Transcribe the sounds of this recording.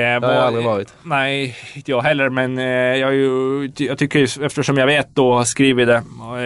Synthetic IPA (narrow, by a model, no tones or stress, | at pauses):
alɾɪvɑːɾɪt̪næɪɪnəjɑːɡɦɛlːəɾmɛnjɑjjɑːt̪ʰʏkːəɾjɵɛft̪əʂɔmjɑɡveːt̪̚d̪ɔskɾiːvɪd̪ɛ